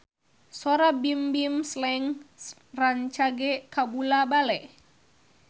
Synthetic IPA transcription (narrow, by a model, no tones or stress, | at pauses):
sɔɾabimbimslɛŋ | raɲt͡ʃaɡɛkabulabalɛʔ